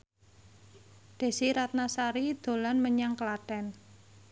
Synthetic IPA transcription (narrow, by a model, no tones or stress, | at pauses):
d̪̥e̤siɾat̪̚nasaɾid̪̥o̤lanməɲaŋkəlatɛn